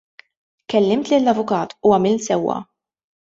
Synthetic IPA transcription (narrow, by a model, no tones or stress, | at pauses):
kɛlːɪmt̪lɪlːɐvʊkɐːt̪uɐmɪlsɛwːɐ̰